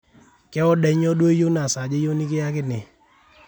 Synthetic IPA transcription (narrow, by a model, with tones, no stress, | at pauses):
kɛ˦ɔ˦ɗɛ˦ɲɔ˦dwe˦jo˦na˨sa˨d͡ʒe˦jo˦ni˦kɪ˦ja˦kɪ˦nɪ˨